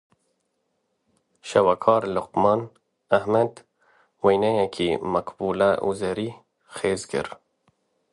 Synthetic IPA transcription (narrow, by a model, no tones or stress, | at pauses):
ʃawakʰɑɾlʊqmɑn | ahmad̪ | wajnajakʰimaqbulaʔṵzaɾi | xeːzɡɪ̰ɾ